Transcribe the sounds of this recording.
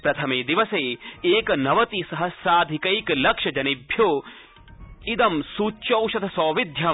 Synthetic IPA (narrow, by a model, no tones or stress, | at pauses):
pɾɐt̪ʰɐmeːd̪iʋɐseːeːkɐnɐʋɐt̪isɐɦɐsaːd̪ʱikɐjklɐkʃɐd͡ʒɐnibʱjoː | id̪ɐmsuːt͡ʃɐwʃɐt̪ʰɐsɔːʋid̪ʱjɐ